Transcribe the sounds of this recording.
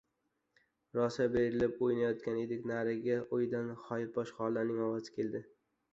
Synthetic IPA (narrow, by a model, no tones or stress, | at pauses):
ɾɒsabeɾɪlɪpojnajɒt̪kʲaned̪ekʲnaɾɪɡʲaʔojd̪anχɒjɪɾbɒʃχɒlːaɾnɪŋɒwazɪ̥kʲʰe̞ld̪ɪ